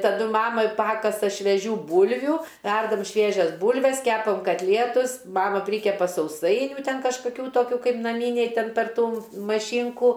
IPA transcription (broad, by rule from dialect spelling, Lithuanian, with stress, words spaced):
tɐˈdʊ ˈmɑːmɐ ˈpɑːkɐsɐ ʃʲʋʲɛˈʒʲuː ˈbuːlʲʋʲʊ ˈʋʲɛrdɐm ˈʃʲʋʲiɛʒʲɛs ˈbuːlʲʋʲɛs ˈkʲæːpɐm kɐtʲˈlʲiɛtʊs ˈmɑːmɐ ˈpʲrʲiːkʲɛpɐ sɐʊˈsɐɪnʲʊ ˈtʲɛn kɐʃkɐˈkʲuː ˈtoːkʲuː ˈkɐɪp nɐˈmʲiːnʲɛɪ ˈtʲɛn pʲɛr ˈtuː mɐˈʃʲiːŋkuː